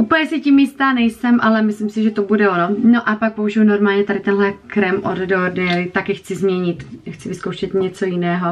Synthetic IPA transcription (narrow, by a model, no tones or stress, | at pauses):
ʔuːpl̩ɲɛsɪcimjɪst̪aːnɛjsɛmʔalɛmɪslɪmsɪʒɛt̪obudɛonono̞ʔapak̚pouʒɪjuno̞ɾmaːlɲɛt̪adɪt̪ɛnɦlɛkɾɛmʔo̰ddodɛɛlɪt̪akɪxt͡sɪzmɲɛɲɪt̪xt͡sɪvɪskowʃɛt̪ɲɛt͡so̞jɪnɛːɦo̞